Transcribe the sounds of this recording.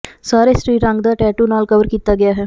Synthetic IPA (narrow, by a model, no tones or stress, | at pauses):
saːɾeːsʈɾiːɾəŋɡd̪aːʈɛːʈuːnaːlkəʋəɾkiːt̪aːɡɪjaːɦɛː